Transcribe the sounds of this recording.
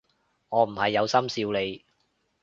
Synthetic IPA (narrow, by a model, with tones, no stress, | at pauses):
ŋɔː˨˧m̩˨˩hɐ˨jːɐ˨˧wsɐ˥msiː˧wle˨˧j